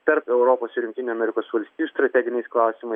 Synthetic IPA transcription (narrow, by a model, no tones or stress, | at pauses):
t̪ɐɾpɛʊɾopoːsɪɾʲʊŋkʲt̪ʲɪnʲuɐmʲɛɾʲɪkoːsʋɐlʲsʲt̪ʲiːjuːst̪ɾɐt̪ʲæːɡʲɪnʲɛɪsklˠɑˑʊsʲɪmɐ